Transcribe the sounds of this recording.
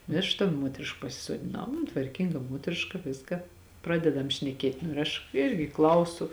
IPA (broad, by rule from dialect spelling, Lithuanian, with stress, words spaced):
nʊ ɪ ˈɐʃ tɐ ˈmuɔtʲrʲɪʃk pɐsʲɪsoːdʲɪˈnɐʊ ˈɐn tʋɐrʲˈkʲiːŋɡɐ ˈmuɔtʲrʲɪʃkɐ ˈʋʲɪskɐ ˈprɑːdʲɛdɐm ʃʲnʲɛˈkʲeːtʲ nʊ ɪr ˈɐʃ ˈɪrʲɡʲɪ ˈklˠɐʊsʊ